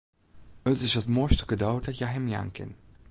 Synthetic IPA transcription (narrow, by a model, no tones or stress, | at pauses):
ətɪsətmoɹstə̥kədowdɑtjaɦɛmja̰ːŋkɪ̰n